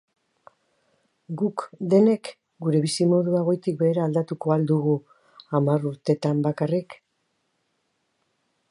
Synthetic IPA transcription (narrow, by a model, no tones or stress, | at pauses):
ɡukd̪e̞ne̞k | ɡuɾe̞βisimo̞ðueɣ̞o̞jt̪ikbe̞ːɾaːld̪at̪uko̞ald̪uɣu | amaɾuɾt̪e̞t̪ambakarik